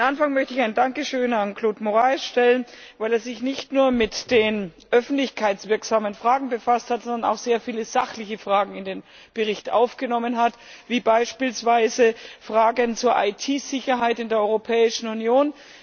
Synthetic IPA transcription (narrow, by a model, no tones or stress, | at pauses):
mʔanfaŋmœçtəɪçaɪndaŋkəʃøːnankʰloːtmoʁaɪsʃtɛlənvaɪleːɐzɪçnɪçtnuːɐmɪtd̥eːnʔœfn̩tlɪçkʰaɪtt͡sv̥ɪɐkz̥aːmənfʁ̥aːɡŋ̩bəfasthatz̥ɔndɐna̰ʊxz̥eːɐfiːləz̥aχlɪçəfʁ̥aːɡŋ̩ɪndeːn | b̥əʁɪçtʔa̰ʊfɡ̥ənɔmənɦat | v̥iːbaɪʃpiːlsv̥aɪzəfʁ̥aːɡənt͡suːɐʔa̰ɪtʰiːz̥ɪçɐɦaɪtɪndeːɐɔʏʁopʰɛːɪʃn̩unjoːn